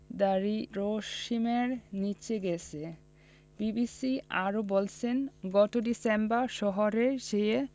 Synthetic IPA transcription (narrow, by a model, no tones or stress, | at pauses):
d̪aɾiɾoʃimeɾnit͡ɕʰeɡɛt͡ɕʰe | bibisia̰ɾobolt͡ɕʰenɡɔt̪oɖisembaɾʃɔɦoɾeɾʃe